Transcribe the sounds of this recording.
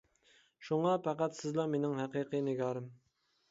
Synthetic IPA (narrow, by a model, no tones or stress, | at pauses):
ʃuŋɑpʰæqæt̪sɪzlˠɑmenɪŋɦæqiqɨnɪɡʲɑːɾɨm